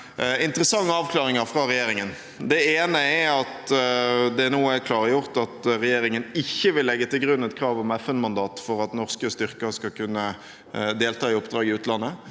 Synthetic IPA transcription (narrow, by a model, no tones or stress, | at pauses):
ɪnt̪əɾəsɑŋːəɑːʋkʰlɑːʁɪŋəʁfʁɑʁɛjeːɾɪŋən | d̪ɛeːnəɛɾɑt̪ | d̪ɛnoːəækʰlɑːʁəjʊʁt̪ɑt̪ʁɛjeːɾɪŋənɪçːəʋɪlːɛɡːət̪ɪlɡɾʉnːɛt̪kʰɾɑːʋɔmɛfɛnmɑnd̪ɑːt̪fɔɾɑt̪nɔʁskəst̪ʏʁkəskɑkʰʉnːə | d̪eːlt̪ʰɑːɪʊpd̪ɾɑːɡɪʉːt̪əlɑnːə